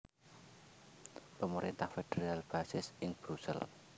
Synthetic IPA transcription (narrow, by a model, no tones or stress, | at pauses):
pəməɾʔint̪ahfed̥eɾalb̥asɪsʔɪŋb̥ɾusɛ̰l